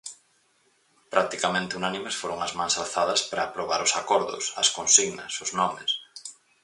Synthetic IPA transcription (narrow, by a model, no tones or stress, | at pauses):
pɾak̚t̪ikamẽnt̪ɪunanimesfoɾʊŋɐzmãŋsalθaðɐspɾɐːpɾoβaɾʊsakɔɾðʊ̰sɐ̰skonsiɣnɐ̰sʊznɔmes